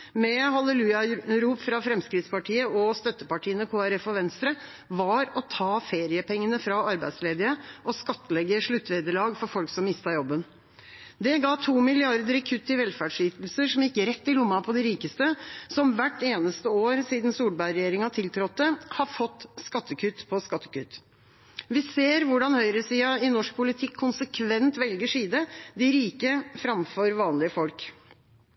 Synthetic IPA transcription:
mɛhɑləlʉːɑɾuːpfɾɑfɾɛmskɾɪt̪spɑʈʰiːəɔst̪œt̪ːəpɑʈʰiːənəkʰoːæɾɛfɔʋɛnst̪ɾə | ʋɑɾɔt̪ʰɑːfeːɾɪəpʰɛŋːənəfɾɑɑɾbæɪd̪sleːd̪əɾəʔɔskɑt̪ːəlɛɡːəʂɭʉt̪ːʋeːd̪əɭɑːɡfɔɾfɔlksɔmːɪst̪ɑjɔbːən | d̪ɛɡɑːt̪ʰuːmɪlɪɑɾd̪əɾɛkʰʉt̪ːəʋɛlfæːɖʂyːt̪l̩səʂɔmɪkːəɾɛt̪ːɪlʊmːɑpʰɔd̪ɪɾiːkəst̪əsɔmʋæʈːeːnəst̪əoːɾsiːd̪nsuːlbæɪɾɛjeːɾɪŋɑt̪ʰɪlt̪ʰɾɔt̪ːəhɑɾfɔt̪ːskɑt̪ːəkʰʉt̪pʰɔskɑt̪ːə̥kʉt̪ː | ʋɪseːɾʋʊɖɑnhœʏɾəsiːɑɪnɔʂk̚pʰʊlɪt̪ʰɪkʰːʊnsəkʰʋɛnt̪ʋɛlɡəʂiːd̪əd̪ɪɾiːkəfɾɑmfɔɾʋɑːnlɪəfɔlk

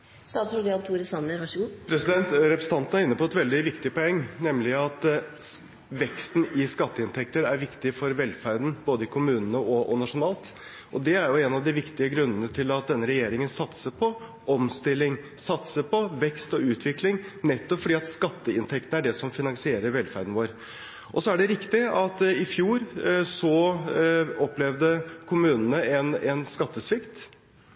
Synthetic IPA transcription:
st̪ɑːd̪sʊd̪ɪɑbt̪ʰuːɾəsɑnəʋɑʂɡuːpʰɾɛsɪd̪ɛnt̪ɾɛpɾɛsn̩t̪ɑnt̪n̩æɾɪnːəpʰɔɛt̪ʋɛld̪ɪʋɪkt̪ɪpɔɛŋːnɛmlɪɑt̪ | ʋɛkst̪n̩ɪskɑt̪ːəɪnt̪ʰɛk̚t̪əɾæɾʋɪkt̪ɪfɔɾʋɛlfæɾd̪n̩boːd̪əɪkʰʊmʉːnənəɔʔɔnɑʂʊnɑːlt̪ | ʔɔd̪ɛæɾjʊɛnɑʋd̪ɪʋɪkt̪ɪəɡɾʉnːənət̪ʰɪlɑt̪̚d̪ɛnːəɾɛjeːɾɪŋənsɑt̪səpʰɔ | ʔɔmst̪ɪlːɪŋsɑt̪səpʰɔʋɛkst̪ɔʉːt̪ʰʋɪklɪŋnɛt̪ːɔpfɔɖiːɑt̪skɑt̪ːəɪnt̪ʰɛkt̪n̩æɖɛsɔmfɪnɑŋsɪeːɾəɾʋɛlfæɾd̪n̩ʋoːɾ | ʔɔsɔæɖɛɾɪkt̪ɪɑt̪ɪfjuːɾsɔ | ɔpːlɛʋd̪əkʰʊmʉːnənəɛnɛnskɑt̪ːəsʋɪkt̪

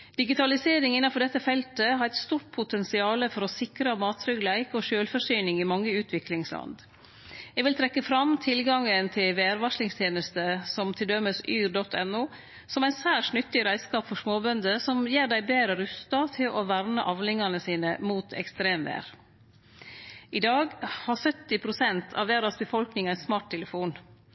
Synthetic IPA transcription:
d̪̥ɪɡɪt̪ʰɑlɪseːɾɪŋɪnːɑfɔɖɛt̪ːəfɛlt̪əɦɑɾæɪt̪st̪uːʈ̚pʰʊt̪ɛnsɪɑːləfɔɾɔsɪkɾəmɑːt̪fʰɾʏɡlæɪkɔʃøːlfɔʂyːnɪŋɪmɑŋːəʉːt̪ʰʋɪklɪŋslɑ̰nd̪ | ɛɡʋɪlt̪ʰɾɛkːəfɾɑmt̪ʰɪlɡɑŋənt̪ʰɪlʋeːæɾʋɑʂlɪŋst̪ʰjeːnəst̪əsɔmt̪ʰɪld̪œmːəsyːɾdɔt̪ːʰɛnːuː | sɔmæɪnsæːʂnʏt̪ːɪɾæɪskɑːpfɔʂmoːbœnd̪əsɔmjeːɾɖæɪbeːɾəɾʉst̪ɑt̪ʰɪlʔɔʋæɾnəʔɑʋlɪŋɑnəsiːnəmuːt̪ʰɛ̰kst̪ɾeːmʋḛːɾ | ʔɪd̪ɑːɡhɑsœt̪ːɪpʰɾʊsɛnt̪ʰɑ̰ʋeːɾɑsbəfɔlknɪŋæɪsmɑːʈ̚t̪ʰɛləfuːn

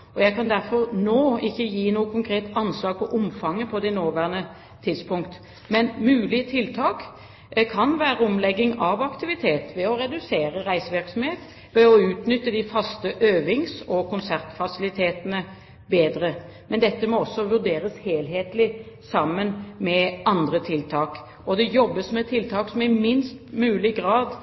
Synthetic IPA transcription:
ɔjæɪkɑnd̪æɾfɔʁnoːɪçːəjiːnuːəkʰʊŋkʰɾeːt̪ɑnslɑːɡ̚pʰɔʔʊmfɑŋːəpʰɔd̪ɛnoːʋæʁnə | t̪ʰɪd̪spʰʊŋkt̪ | mɛnmʉːlɪət̪ʰɪlt̪ʰɑːk | kʰɑnʋæːɾəɔmlɛɡːɪŋɑʋɑkt̪ɪʋɪt̪ʰeːt̪ʋɛɔʁɛd̪ʉseːɾəʁæɪsəʋɪʁksɔmheːt̪ | ʋɛɔʉːt̪nʏt̪ːəd̪ɪfɑst̪əʔøːʋɪŋsɔkʊnsæʁt̪fɑsɪlɪt̪ʰeːt̪ənə | beːd̪ɾə | mɛnd̪ɛt̪ːəmɔɔsːɔʋʉʁd̪eːɾəsheːlɦeːt̪lɪ | sɑmːənmɛʔɑnd̪ʁət̪ʰɪlt̪ʰɑːk | ɔd̪ɛjɔbːəsmɛt̪ʰːɪlt̪ʰɑːksɔmɪmɪnst̪mʉːlɪɡɾɑːd̪

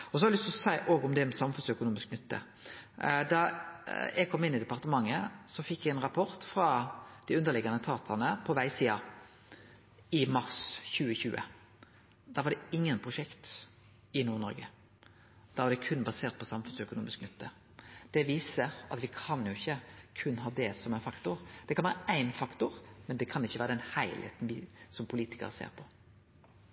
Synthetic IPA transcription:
ɔsɔhɑɾlʏst̪lɔsæɪʔoːɡʊmd̪ɛɛɾmɛsɑmfʉnsœkʊnuːmɪsknʏt̪ːə̰ | d̪ɑ | ɛɡ̚kʰɔmːɪnɪd̪ɛpɑʁt̪əmɑŋːəsɔfɪkːjɛɡɛnʁɑpʰɔʁt̪fɾɑd̪̥ɪʉnd̪əʁlɪɡɑnət̪ʰɑːt̪ʰɑnəpʰɔʋæɪsiːɑ | ɪmɑʁsçʉːəçʉːʔə̰ | d̪̥ɑʋɑɾd̪ɛɪŋːənpʰʁʊʂɛkt̪ | ɪnuːʁnɔɾɡə | d̪̥ɑːʋɑd̪ɛkʰʉnbɑseːɾt̪̚pʰɔsɑmfʉnsœkʊnuːmɪsknʏt̪ːə | d̪̥ɛʋiːsəɾɑ̰t̪ʋɪkʰɑnjʊɪçːəkʰʉnɦɑːd̪ɛsɔmæɪnfɑkt̪ʊɾd̪̥ɛkʰɑnʋæːɾəæɪnfɑkt̪ʊɾmɛnd̪ɛkʰɑnɪçːəʋæːɾəd̪ɛnhæɪlhḛːt̪n̩ʋɪsɔmpʰʊliːt̪ɪ̥kɑ̰ɾəsḛːʁɾpʰɔ

